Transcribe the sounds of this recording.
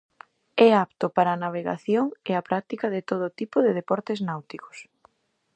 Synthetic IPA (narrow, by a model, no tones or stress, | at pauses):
ɛapt̪ʊpaɾɐaːnaβ̞eɣa̰θjoŋeapɾak̚t̪ikɐðɪt̪oð̞ʊt̪ipʊðɪðepɔɾt̪eznawt̪ikʊ̥s